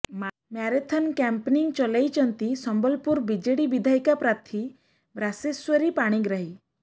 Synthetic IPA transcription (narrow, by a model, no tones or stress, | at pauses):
maɾet̪ʰɔnkɛmpniŋɡ̚t͡ʃɔlajt͡ʃɔnt̪isɔmbəlpuɾbid͡ʒeɽibid̪ʱajkapɾat̪ʰi | bɾaseswəɾipaɽ̃ĩɡɾaɦi